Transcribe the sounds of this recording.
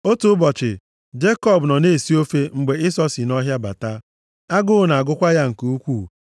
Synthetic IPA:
o˦tu˦ʊ˦bɔ˨t͡ʃɪ˨ | d͡ʒe˦kɔ˦˨bnɔ˨ne˦˨si˦o˦fe˦ŋ͡m̩˨ɡ͡be˨i˦sɔ˦si˨nɔ˦ɦja˦ba̰˨ta˦ | a˦ɡʊ˦ʊ˦na˨a˨ɡʊ˦kʷa˦ja˦ŋ̩˨ku˨u˦kʷu˦˨

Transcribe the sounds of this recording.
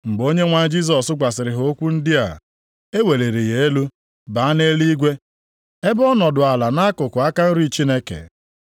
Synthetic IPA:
ŋ͡m̩˨ɡ͡bo˦ɲe˦ŋʷa˦d͡ʒi˦s̬ɔ˨sʊ˦ɡ͡bʷa˨sɪ˨ɾɪ˨ɦo˦kʷu˦n̩˦dɪ˦a̰˨ | e˦we˨le˨ɾi˨je˨˦e˦lu˦ | ba˨˦a˦ne˦li˦ɡʷe˦ | e˦bɔ˦nɔ˨dʊ˨a˨la˨na˦kʊ˨kʊ˨a˦ka˦n̩˦ɾi˦t͡ʃi˦ne˦kḛ˨

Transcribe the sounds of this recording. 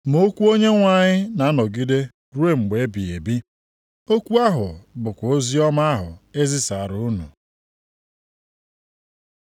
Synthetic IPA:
m˨o˦kʷu˦o˦ɲe˦ŋʷa˨ɲɪ˦na˨a˦nɔ˨ɡi˦de˦ | ɾu˦e˦ŋ͡m̩˨ɡ͡be˨e˦bi˨e˨bi˦ | o˦kʷu˦a˦ɦʊ˨bʊ˨kʷo˦zi˦ɔ˦ma˦ɦʊ̰˨e˦zi˦sa˨ɾu˨˦nu˨

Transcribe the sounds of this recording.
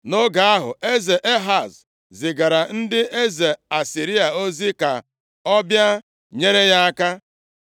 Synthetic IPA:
no˦ɡa˨a˦ɦʊ̰˨e˦ze˨ʔe˦ɦa˨z | zɪ˨ɡa˨ɾa˨n̩˦dɪ˦ʔe˦ze˨a˨si˨ɾi˦a˨o˦zi˦ka̰˨ | ɔ˦bja˦ | ɲe˦ɾe˦ja˦a˦ka˦

